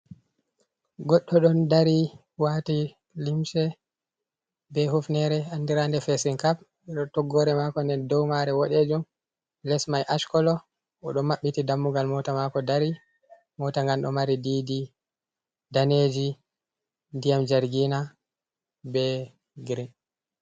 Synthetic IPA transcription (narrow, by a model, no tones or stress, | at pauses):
ɡɔɗːɔɗɔndaɾi | wati | limsɛ | bɛhufnɛɾɛanːdiɾandɛfɛsinkap̚ | ɛɗɔtɔɡːɔɾɛmakɔndɛndɔwmaɾɛwɔɗed͡ʒum | lɛsmajʔaʃkɔlɔ | ɔɗɔmːaɓːitidamːuɡalmɔtamakɔdaɾi | mɔtaŋɡanɗɔ̰maɾidiːdi | daned͡ʒi | ndijamd͡ʒaɾɡina | bɛ | ɡɾin